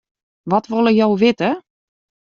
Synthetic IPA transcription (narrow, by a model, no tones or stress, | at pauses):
ʋɔtʋolˠəjowʋɪtə